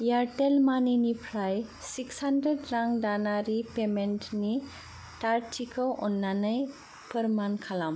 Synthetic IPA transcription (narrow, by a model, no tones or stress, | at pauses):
jaɾʈelmaninipʰɾajsikshandɾeɖɾãŋdanaɾipemenʈni | ʈaɾt͡ʃʰikɔwʔɔnːanaj | pəɾmankʰalam